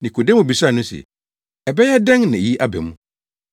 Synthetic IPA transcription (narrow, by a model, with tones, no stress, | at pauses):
nĩ˨kʰo˨dɛ˦mũ˨bi˨sa˦˨nʊ̃˦sɛ̰˨ | ɛ˨bɛ˦jɛ˦dɛ̃˦ŋnã˨e˨ji˦ʔa˦bɛ̰˨mũ˨